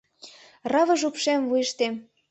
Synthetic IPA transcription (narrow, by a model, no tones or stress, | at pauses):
rɑvɤ̆ʒupʃemvujə̆ʃt̪em